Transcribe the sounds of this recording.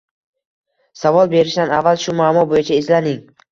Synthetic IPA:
savɒlˠbe̞ɾɪʃd̪anavːalʃʊmamɒbojat͡ʃʰaɪzlanɪŋ

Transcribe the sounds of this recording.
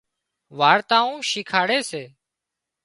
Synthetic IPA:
ʋaːɾt̪aːũːʃiːkʰaːɽeːseː

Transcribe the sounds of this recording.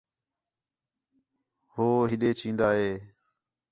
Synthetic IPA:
hoːɦɪɗ̪eːt͡ʃʰĩːnd̪aːɦeː

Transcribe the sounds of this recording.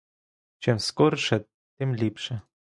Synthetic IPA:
t͡ɕɛmskɔɾʂɛ | t̪ɪmlʲipʂɛ

